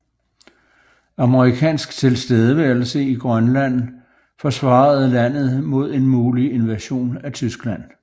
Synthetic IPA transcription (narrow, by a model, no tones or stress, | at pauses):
ɑ̈məʁikʰɛ̰ːnsɡ̥t͡sʰe̝lsd̥eð̞ˠəʋæɐl̩səiɡ̥ʁɶnlæn̰ | fɒ̽sʋɑ̈ð̩ˠlæn̰ð̞̩ˠmo̝ð̞̰ˠe̝nmuːlie̝nʋæɕo̝̰ːnæt͡sʰysɡ̥læn̰